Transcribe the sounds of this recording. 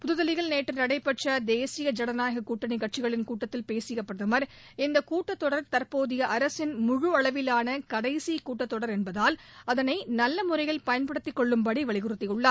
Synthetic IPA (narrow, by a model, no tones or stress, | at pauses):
pʊðʊðɐlɪɣɐɭneːʈːɐnɐɽɐɪpːɐʈt͡ʃɐd̪eːsɪjɐd͡ʒɐɽɐnaːjɣɐkuːʈːɐnɪkːɐʈ̚t͡ʃɪɣɐɭɪnkuːʈːɐt̪ːɪlpeːsɪjɐpːɾɐðɐmɐɾ | ɪnd̪ɐkuːʈːɐt̪ːɔɽɐɾt̪ɐɾpoːðɪjɐʔɐɾɐsɪnmʊɻʊɐɭɐʋɪlaːnɐkɐɽɐɪsikuːʈːɐt̪ːɔɽɐɾɛnbɐðaːlɐðɐnɐɪnɐlːɐmʊɾɐɪjɣɐlpɐjɐnpɐɽɯt̪ːɪkːɔɭːɯmpɐɽiʋɐɭɪɣɯrɯt̪ːɪʊɭːɐ